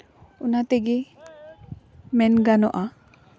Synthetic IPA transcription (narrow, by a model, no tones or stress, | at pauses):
unat̪ɛɡɛ | mɛnɡanɔʔa